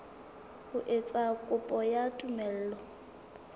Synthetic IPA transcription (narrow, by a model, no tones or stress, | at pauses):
hʊʔet͡sʼakʼʊpʼɔjatʼumɛl̩ːlɔ